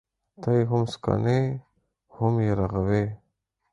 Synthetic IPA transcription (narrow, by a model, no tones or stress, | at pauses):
t̪ajɦʊmska̰ne | hʊmjeɾaɣawe